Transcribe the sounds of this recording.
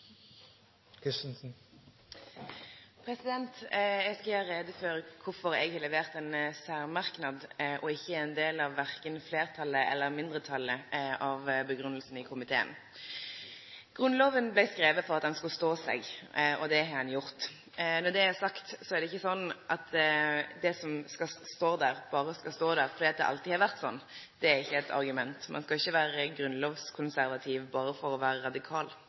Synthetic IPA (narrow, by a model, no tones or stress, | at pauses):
kʰɪsnsn̩ | pʰɾɛsɪd̪ɛnt̪jɛɡskɑlhɑːɾeːd̪əføːɾəkʰʊɾfɔɾɛ̰ɡhɑlɛʋeːʁt̪ɛnsæːʁmɑʁknɑd̪ʔɔɪçːəæɾɛnd̪eːlɑʋːæʁkənfleːʁt̪ʰɑlːəʔɛ̰lːəʁmɪnd̪ʁət̪ʰɑlːəʔɑʋbəɡɾʉnəlsn̩ɪkʰʊmɪt̪ʰḛːə̰n | ɡ̥ɾʉnloːʋənblæɪskɾeːʋəfɔɾɑt̪̚d̪ɛnskɑlst̪oːsɛ̰ɡɔd̪ɛɦɑɾhɑnjʊɾt̪ | nɔd̪ɛæsɑkt̪sɔæɾd̪ɛɪçːəsɔnːʔɑt̪d̪ɛsɔmskɑst̪oːd̪æɾb̥ɑːɾəskɑst̪oːd̪æɾfɔɾd̪iɑt̪d̪ɛ̰ʔɑ̰lt̪iːhɑɾʁʋæʁt̪sɔ̰nːd̪̥ɛæɾɪçːəɛt̪ʰɑ̰ɾɡʉmɛnt̪mɑ̰nskɑɪçːəʋæːɾəɡɾʉnloːʋskʰʊnsæɾʋɑt̪ʰiːʋbɑːɾəfɔɾɔʋæːɾəɾɑd̪ɪkʰɑːl